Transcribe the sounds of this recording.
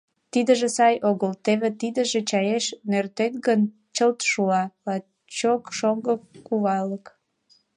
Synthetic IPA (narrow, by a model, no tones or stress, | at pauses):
t̪id̪əʒĕsɑjoɣəlt̪eβet̪id̪ə̆ʒĕt͡ɕɑjeʃnørt̪et̪̚ɣən | t͡ɕəlt̪ʃuɑlɑ | t͡ɕokʃoŋɡəkːuβɑlək